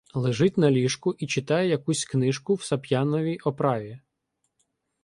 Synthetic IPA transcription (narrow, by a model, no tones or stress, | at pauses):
lˠɪʒɪtʲnɐlʲiʃkʊʔit͡ʃɪt̪ɑjejɐkusʲknɪʃkʊwsɐpʲjɑnɔʋʲijʔɔpɾɑʋʲi